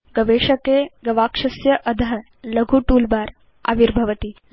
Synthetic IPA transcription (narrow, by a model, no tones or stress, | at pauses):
ɡɐʋeːʃɐkeːɡɐʋaːkʂɐsjɐʔɐd̪ʱɐɦɐ | lɐɡʱuʈuːlbaːɾ | a̰ʋiɾbʱɐʋɐt̪i